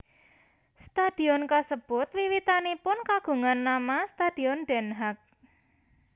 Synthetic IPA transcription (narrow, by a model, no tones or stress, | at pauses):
st̪ad̥i̤ɔnkasəb̥ʊt̪wiwit̪anipʊnkaɡ̥ṳŋanːamast̪ad̥i̤ɔnɖ̥ɛ̤nɦak̚